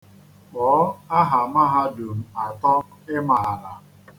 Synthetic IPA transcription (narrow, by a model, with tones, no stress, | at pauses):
ɔ˨˦a˦ɦa˨ma˦ɦa˦du˨m̩˨a˨tɔ˦ɪ˦ma˨a˨ɾa˨